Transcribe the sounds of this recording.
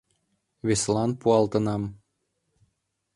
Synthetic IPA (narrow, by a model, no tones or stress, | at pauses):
βeslɑnpuɑlt̪ə̆nɑm